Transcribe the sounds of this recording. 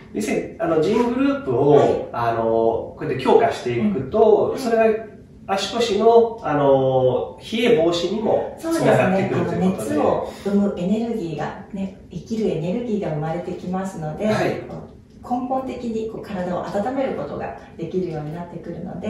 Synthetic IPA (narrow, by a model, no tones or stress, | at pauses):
d͡ʑesɨɲianod͡ʑĩŋɡɯ̟ɾɯ̟ːpɯ̟oiano̞ko̞et̪ːekʲo̞ːkaɕi̥t̪e̞ikɯ̟t̪o̞so̞ɾe̞ɡa | aɕi̥ko̞ɕino̞ano̞çie̞bo̞ːɕiɲ̟imo̞̰so̞ːd̪easɡaɨneekɯot̪ːnet̪oɯmɯ̟ʔe̞ne̞ɾɯ̟ɡʲiːɡa̰ne̞ | ikʲiɾɯ̟e̞ne̞ɾɯ̟ɡʲiːɡaɯ̟maɾe̞t̪e̞kʲimasɨno̞d̪e̞ako | kʰõ̞mpõnt̪e̞kʲiɲ̟iko̞ːkaɾad̪ao̞̰ʔat̪at̪ame̞ɾɯ̟ko̞t̪o̞ɡa̰d̪e̞kʲiɾɯ̟jo̞ːɲ̟inat̪ːe̞kɯ̟ɾɯ̟no̞̰d̪e̞